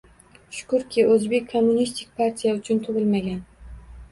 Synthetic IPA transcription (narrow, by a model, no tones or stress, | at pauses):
ʃʊ̥kʊɾkʲʰɪʔɵzbekʲʰːomːʊnist̪ʰɪk̚ʲpʰaɾt̪ʰijaʊt͡ʃʰʊnt̪ʰʊʁɪlmaɡʲan